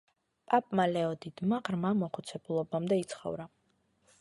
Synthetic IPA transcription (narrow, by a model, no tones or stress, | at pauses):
pʼapʼmalɛɔd̪id̪̥maʁɾmamɔχut̪sʰɛbulˠɔbamd̪ɛit̪sʰχɔ̰vɾa